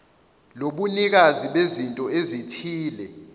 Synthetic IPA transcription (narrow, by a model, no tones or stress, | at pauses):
loɓunik̬aziɓezintʼɔezitʰiːlɛ